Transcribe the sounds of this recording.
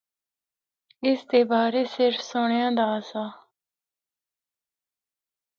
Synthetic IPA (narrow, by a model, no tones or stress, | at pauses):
ɪst̪eːbaːɾeːsɪɾfʰsʊɳjãːd̪aːsaː